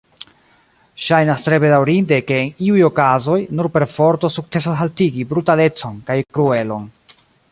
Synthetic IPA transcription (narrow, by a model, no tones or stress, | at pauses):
ʃajnastɾe̞be̞dawɾinde̞ke̞ːniujo̞kazo̞jnuɾpe̞ɾfo̞ɾto̞suk̚t͡se̞s̬asɦaltiɡibɾutale̞t͡so̞nkajkɾue̞lo̞n